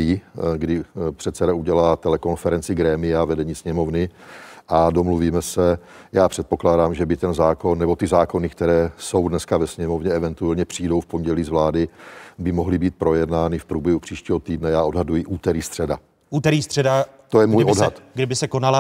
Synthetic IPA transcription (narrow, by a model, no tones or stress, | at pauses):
iːɡdɪpr̥ɛt̪sɛdauɟɛlaːt̪ɛlɛko̞nfɛɾɛnt͡sɪɡɾɛːmɪjavɛdɛɲiːsɲɛmo̞vnɪʔadomluviːmɛsɛ | jaːpr̥ɛt̪̚po̞klaːdaːmʒɛbɪt̪ɛnzaːko̞nːɛbo̞t̪ɪzaːko̞nɪkt̪ɛɾɛːso̞wdnɛskavɛsɲɛmo̞vɲɛɛvɛnt̪uɛlɲɛpr̥iːdo̞wfpo̞ɲɟɛliːzvlaːdɪbɪmo̞ɦlɪbiːt̪̚pɾo̞jɛdnaːnɪfpɾuːbjɛɦupr̝̥iːʃciːɦo̞t̪iːdnɛjaːʔo̞dɦadujɪʔuːt̪ɛɾiːst̪r̥ɛda̰ | ʔuːt̪ɛɾiːst̪r̥ɛda | t̪ojɛmuːjʔodɦat̪ɡdɪbɪsɛkonala